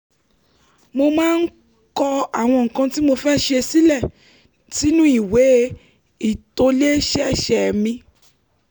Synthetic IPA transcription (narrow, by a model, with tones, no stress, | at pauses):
mo˧mãː˦n̩˦ | kɔ˧a˨w̃ɔ̃˧ŋ̩˨kã˧ti˦mo˧fɛ˦ʃe˧si˦lɛ˦˨ | ti˨˦nũ˦i˦˨we˨˦ | i˦˨to˧˦le˦ʃɛ˦˨ʃɛ˨mĩ˧